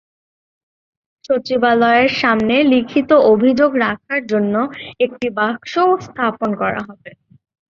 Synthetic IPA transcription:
ʃot͡ɕibalɔeɾʃamnelikʰit̪oʔobʱid͡ʑoɡɾakʰaɾd͡ʑonːoek̚ʈibaɡʃost̪ʰaponkɔɾa̰ɦɔbe

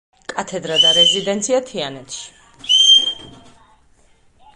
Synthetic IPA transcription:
kʼat̪ʰɛd̪ɾad̪aɾɛzid̪ɛnt̪sʰiat̪ʰianɛt̪ʰʃi̥

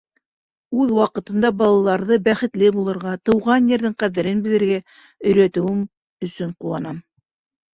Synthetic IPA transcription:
ʉðwɑqɤ̆t̪ɤ̆nd̪ɑbɑlˠɑlˠɑɾðɤbæχɘ̆t̪lɘbulˠɤ̆ɾʁɑt̪ɤ̆wʁɑnjɘ̆ɾðɘŋqæðɘ̆ɾɘnbɘ̆ðɘ̆ɾɡæ | ɵ̆jɾæt̪ɵ̆wɘm | ɵ̆sɵɴquwɑnɑm

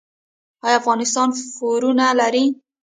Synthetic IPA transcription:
ɑjɑafɣɑnɪst̪ɑnfoɾunalaɾi

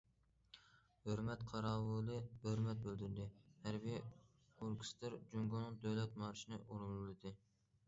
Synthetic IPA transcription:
høɾmɛt̪qʰɑɾɑːwɨlɨhøɾmɛt̪̚bøld̪yɾd̪ɪhæɾbij | oɾkʰst̪ɨɾd͡ʒyŋɡonɨŋd̪øjlɛt̪̚mɑɾʃinɨʔuɾullˠɨd̪ɨ

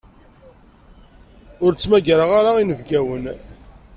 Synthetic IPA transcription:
ʊɾt͡sːmæɡɾaʁaɾaʁinəvɡæwən

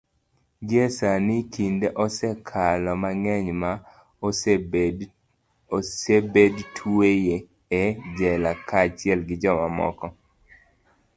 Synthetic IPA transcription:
ɡjesanɪkʰindeʔɔsɛkʰalɔmaŋɛɲma | sebedtʰuejeː | d͡ʒɛlakʰat͡ʃɪɛlɡɪd͡ʒɔmamɔ̰kɔ

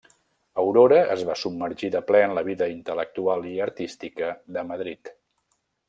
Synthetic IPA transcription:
əwɾoɾəʔəzβasub̚məɾʒiðəplɛənləβ̞iðəint̪ələk̚t̪ualˠiəɾt̪ist̪ikəðəməðɾit̪

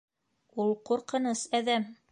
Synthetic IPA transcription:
ulˠquɾqɤ̆nɤsæðæm

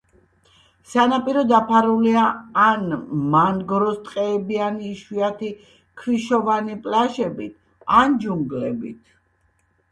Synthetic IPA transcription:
sanapʼiɾɔd̪apʰaɾuliaːnmanɡɾɔst̪ʼqʼɛːbianiːʃwiat̪ʰi | kʰɾiʃɔvanipʼlaʃɛbit̪ʰ | and͡ʒuŋɡlɛbḭt̪ʰ

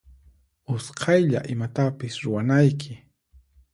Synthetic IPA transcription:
ʊsqʰɑjʎa̰ʔɪmat̪apɪsɾʊwanajkʰɪ

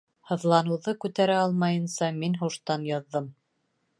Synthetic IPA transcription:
hɤ̆ðlˠɑnɤ̆wðɤkʉt̪æɾæɑlˠmɑjɤ̆nsɑminɦuʃt̪ɑnjɑðːɤm

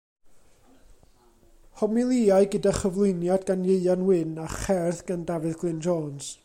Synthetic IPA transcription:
hɔmilˠiaɨɡədaχəvlˠʊjnjadɡanjeɨanwɪnaχɛrθɡandavɨðɡlˠɪnd͡ʒɔːns

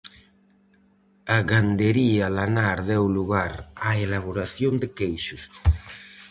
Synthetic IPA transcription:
aɣand̪eɾialanaɾðɛwluɣaɾaelaβ̞oɾasjond̪ekejʃʊs

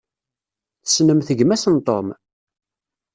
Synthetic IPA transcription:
θəsnəmθəɡmæsənt̪ˤo̰m

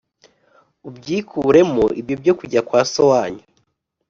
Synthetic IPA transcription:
ubɟiːkʰuːɾe̞moʔibjo̞bjo̞kuɟakwaːsowaɲo

